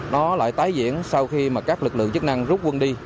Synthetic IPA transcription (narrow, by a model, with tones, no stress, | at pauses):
nɔ˨˦la̰ː˧˨jt̪aː˨˦jzḭ˧˥˨ənsa˧wxi˧maː˨˩kaː˦˥k̚lɨ˨˩k̚lɨ̰˧˨əŋt͡ɕə˦˥k̚na˧ŋzu˦˥t̚kwə˧nɗi˧